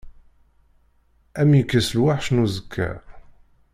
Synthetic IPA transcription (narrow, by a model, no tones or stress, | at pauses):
æmjəkːæsəlwaħʃnuzəkʰːæ̰